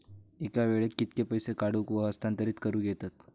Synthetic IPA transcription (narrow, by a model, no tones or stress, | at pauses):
ekaʋeɭekːit̪kepəjsekaɽukʋəɦəst̪ant̪əɾiːt͡skəɾuːɡet̪at̪